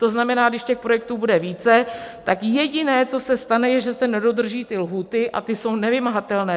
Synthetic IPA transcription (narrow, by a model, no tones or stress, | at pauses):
t̪o̞znamɛnaːɡdɪʃcɛxpɾojɛk̚t̪uːbudɛviːt͡sɛt̪akjɛɟɪnɛːt͡so̞sɛst̪anɛjɛʒɛsɛnɛdo̞d̪r̩ʒiːt̪ɪlɦuːt̪ɪʔa̰t̪ɪso̞wnɛvɪmaɦat̪ɛlnɛː